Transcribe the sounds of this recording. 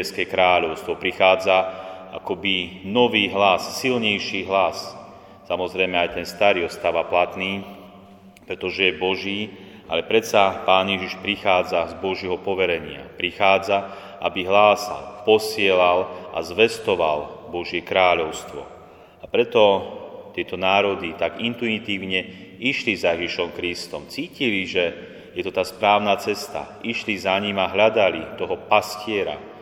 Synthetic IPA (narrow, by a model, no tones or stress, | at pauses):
ɛskɛkɾaːʎɔʊst̪ʋɔpɾixaːd͡zaakɔbinɔʋiːɦlasːilɲɛjʃiːɦlas | samɔzɾɛjmɛajt̪ɛnst̪aɾiːɔst̪aʋaplat̪niː | pɾɛt̪ɔʒɛjɛbɔʒiː | alɛpɾɛt̪sapaːnjɛʒiʃpɾixaːd͡zazbɔʒɪɛɦɔpɔʋɛɾɛɲɪa̰pɾixaːd͡za | ʔabiɦlaːsa̰lpɔsɪɛlalʔa̰zʋɛst̪ɔʋalbɔʒɪɛkɾaːʎɔʊst̪ʋɔ̰ | apɾɛt̪ɔt̪ɪɛt̪ɔnaːɾɔd̪it̪aɡint̪uit̪iːʊɲɛ | iʃlizajɛʒiʃɔmkɾist̪ɔmt͡siːciliʒɛ | jɛt̪ɔt̪aːspɾaːʊnat͡sɛst̪a̰iʃlizaɲimaɦʎad̪alit̪ɔɦɔpascɪɛɾa̰